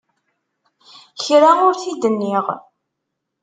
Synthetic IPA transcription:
çɾaʊɾθid̪ənːiʁ

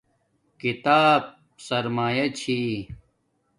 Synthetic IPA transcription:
kit̪aːb̚ | sɐɾmaːjɐt͡ɕʰi

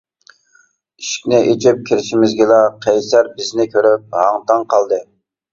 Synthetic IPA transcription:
iʃi̥kʲnɪʔet͡ʃʰɪp̚kʲʰiɾɪʃimɪzɡʲɪlˠɑqʰɛjsæɾbɪznɪkʲʰøɾyp̚hɑŋt̪ɑŋqʰɑlˠd̪ɨ

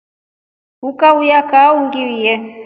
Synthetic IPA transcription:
ukaujakauŋɡiwijɛ

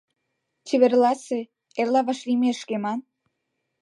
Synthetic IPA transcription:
t͡ɕeβerlɑse | elɑβɑʃlimʲeʃkemɑn

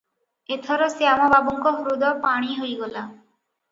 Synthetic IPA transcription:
et̪ʰɔɾosiamababɔŋkoɦɾud̪ɔpaɽ̃iɦojɡɔla

